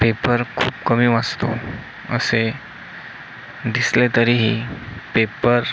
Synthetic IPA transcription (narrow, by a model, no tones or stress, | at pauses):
pepəɾkʰuːbkəmiːʋad͡zt̪o̰ | ə̰se | d̪islet̪əɾiɦipepəɾ